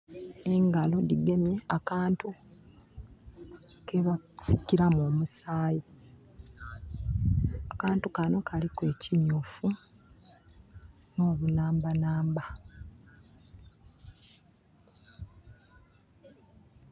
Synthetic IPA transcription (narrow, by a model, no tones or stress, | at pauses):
eŋɡalo̞diɡe̞mje̞akaːntu | keβasiciɾamoːmusaːji | akaːntukano̞kʰalikwe̞ːcimjufu | no̞ːβunaːmbanaːmba